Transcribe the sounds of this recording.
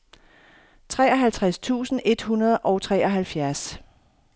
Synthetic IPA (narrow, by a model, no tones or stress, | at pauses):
t͡sʰʁɛːɒɦælt͡sʰʁast͡sʰṵːsn̩e̝d̥hunɐð̞ˠʔɒ̽ʊt͡sʰʁɛːɒ̽ɦælfjæɐs